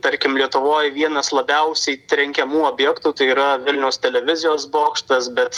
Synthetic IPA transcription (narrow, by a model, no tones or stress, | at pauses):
t̪ɐɾʲkʲɪmlʲiɛt̪ʊʋoːjʋʲiɛnɐslˠɐbʲɛʊsʲɛɪt̪ɾʲɛŋʲkʲɛmuːoːbʲjɛkt̪uːt̪ɐɪiːɾɐʋʲɪlʲnʲɛʊst̪ʲɛlʲɛʋʲɪzʲɪjoːsboːkʃt̪ɐsbʲɛt̪